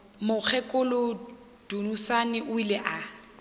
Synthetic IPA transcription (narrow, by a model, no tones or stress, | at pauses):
mʊk͡xʰɛkʼʊlʊ | d̥unusanɪʔʊilɛʔa